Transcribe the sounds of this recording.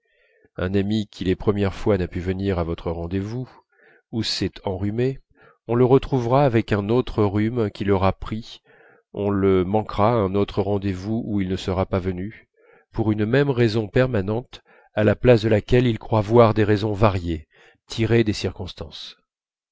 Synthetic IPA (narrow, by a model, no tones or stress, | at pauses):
ɛ̃namikʲʰilepχəmjɛʁfwanapyvəniʁavɔt̪χəʁɑ̃d̪evu | usɛt̪ʰɑ̃ʁyme | ɔ̃ləʁət̪χuvʁaːvɛkɛ̃not̪χəʁymkʲilɔʁapχi | ɔ̃ləmɑ̃kʁaɛ̃not̪χəʁɑ̃d̪evuuilnəsəʁapavəny | puʁynmɛmʁɛzɔ̃pɛʁmanɑ̃t̪ | alaplasd̪əlakʲɛlilkχwavwaʁd̪eʁezɔ̃vaʁje | t̪ʰiʁed̪esiʁkɔ̃st̪ɑ̃s